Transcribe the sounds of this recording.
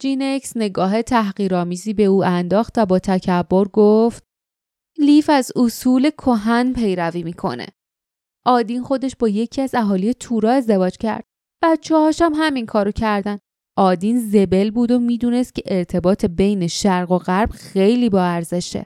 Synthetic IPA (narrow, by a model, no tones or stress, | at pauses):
d͡ʒinecsne̞ɡɒːɦe̞t̪ʰæɦɣiːɾɒːmiːziːbe̞uːʔænd̪ɒːxt̪væbɒːt̪ʰæcʰæbːoɾɡoft̪̚ | liːfæzosuːle̞kʰoɦænpʰe̞jɾæviːmiːkʰo̞̰nḛ | ʔɒːd̪inxo̞d̪e̞ʃbɒːje̞cʰiæzæɦɒːlijet̪ʰuːɾɒːe̞zd̪e̞vɒːd͡ʒcʰæ̰ɾd̪̥ | b̥æt̪t͡ʃʰehɒːʃæmɦæminkʰɒːɾocʰæɾd̪æn | ʔɒːd̪inze̞be̞lbuːd̪o̞miːd̪uːne̞st̪̚cʰe̞ʔeɾt̪ʰe̞bɒːt̪ʰebe̞jne̞ʃæɾɢo̞ɣæɾb̥xe̞jliːbɒːæɾze̞ʃḛ